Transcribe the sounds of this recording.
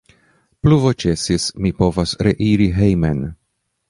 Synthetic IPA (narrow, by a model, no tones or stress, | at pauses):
pluvot͡ʃesismipo̞vasɾḛʔiɾiɦejmen